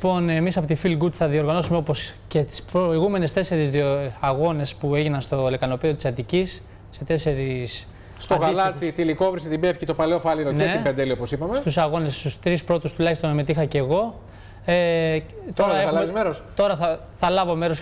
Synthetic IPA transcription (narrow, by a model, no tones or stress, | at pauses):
lipo̞ne̞misɐpo̞t̪ifilɡut̪θɐðio̞ɾɣɐno̞sumeo̞po̞scet̪i̥spɾoiɣume̞ne̞st̪e̞se̞ɾizðioɐɣo̞ne̞spue̞ʝinɐnst̪o̞lekɐno̞piðiot̪i̥sɐt̪icisː | e̞t̪e̞se̞ɾis | st̪oɣɐlsɐt͡sit̪iliko̞vɾiset̪ibefçit̪o̞pɐleofɐliɾoneeibend̪elioposipɐmest̪usɐɣo̞nest̪ust̪ɾispɾo̞t̪ust̪ulɐçist̪onme̞t̪ixɐceɣo̞ | et̪oɾɐeɐlizmeɾost̪o̞ɾɐθɐ | θɐlɐvo̞me̞ɾo̞s